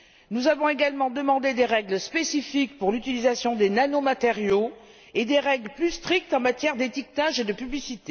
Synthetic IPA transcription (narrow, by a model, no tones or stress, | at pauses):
nuzavɔ̃eɡalmɑ̃d̪əmɑ̃d̪ed̪eʁɛɡləspesifik̚puʁlyt̪ilizasjɔ̃d̪enanomat̪eʁjo | ed̪eʁɛɡləplyst̪χik̚t̪ɑ̃mat̪jɛʁd̪et̪ik̚t̪aʒed̪əpyblisit̪e